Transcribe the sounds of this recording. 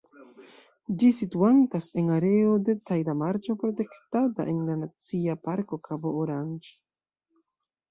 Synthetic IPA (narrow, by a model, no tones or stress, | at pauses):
d͡ʒisituantase̞ŋaɾe̞ode̞tajdamaɾt͡ʃopɾote̞ktata̰ʔenlanat͡siapaɾkokʰabooɾand͡ʒ